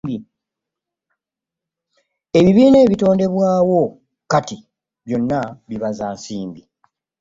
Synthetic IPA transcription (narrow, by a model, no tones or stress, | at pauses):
i | e̞βiβiːne̞ːβito̞ːnde̞βwaːwo̞ | kati | βjo̞nːaβiβazaːnsiːmbi